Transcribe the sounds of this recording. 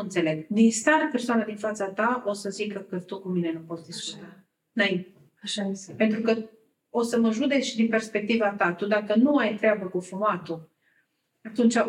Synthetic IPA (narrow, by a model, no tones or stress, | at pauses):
ɨnt̪se̞le̞ɡd̪inst̪aɾpe̞rsoanad̪infat̪sat̪ao̞səzikəkət̪ukumine̞nupo̞t̪st̪isu̥t͡ʃi̥t̪a | ɨnaint̪e | aʃape̞nt̪ɾukə | o̞səməʒud̪ekʃid̪inpe̞rspe̞k̚t̪ivat̪at̪ud̪akənuajt̪ɾeabəkufumat̪u | at̪unt͡ʃa